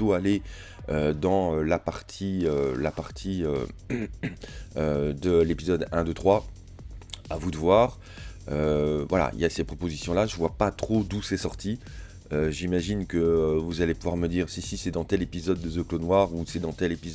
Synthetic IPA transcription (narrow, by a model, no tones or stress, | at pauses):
oale | ød̪ɑ̃ølapaʁt̪ʰiølapaʁt̪ʰiø̰ | ød̪əlepizɔd̪ɛ̃d̪ət̪χwa | avud̪əvwaːʁ | øvwala̰ḭljasɛpχɔpozisjɔ̃laʒəvwapat̪χod̪usɛsɔʁt̪ʰi | øʒimaʒinkəvuzalepuvwaʁməd̪iːʁsisisɛd̪ɑ̃t̪ɛlepizɔd̪ːəsøklonwaʁusɛd̪ɑ̃t̪ɛlepiz